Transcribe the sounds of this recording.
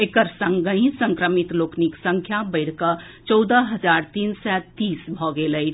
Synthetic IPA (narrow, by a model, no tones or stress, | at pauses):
ekəɾsə̃ŋɡəɦĩsə̃ŋkɾəmit̪lokʰniksəŋkʰjabəɪɽ̤kə | t͡ʃɔwd̪əɦəd͡ʒaɾt̪insɛt̪ːiːsbʱɔɡeləj